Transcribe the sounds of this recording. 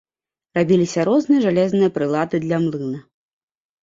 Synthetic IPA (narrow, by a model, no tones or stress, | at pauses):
rabʲilʲisʲɐɾɔznɨjɐʐalʲɛznɨjɐpɾɨlˠad̪ɨd̪lʲɐmlˠɨnɐ